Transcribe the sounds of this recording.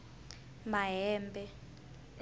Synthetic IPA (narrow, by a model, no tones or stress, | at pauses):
maɦɛːmbʱʼɛ